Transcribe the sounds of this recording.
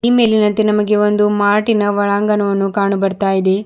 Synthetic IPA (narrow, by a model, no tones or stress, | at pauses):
iːme̞ːlinɐnt̪enɐmɐɡe̞o̞nd̪umaːʈinɐʋɐɭaːŋɡɐnɐʋɐnːukaːɳubɐɾt̪aːjid̪e̞